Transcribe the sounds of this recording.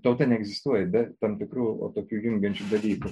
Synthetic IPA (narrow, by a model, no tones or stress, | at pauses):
t̪ɐʊt̪ɐnʲɛɛɡzʲɪst̪uɔjɛbʲɛt̪ɐmt̪ʲɪkɾuːo̰ːt̪oːkʲuːjʊŋʲɡʲɛnʲt͡ʃʲuːd̪ɐlʲiːkʊ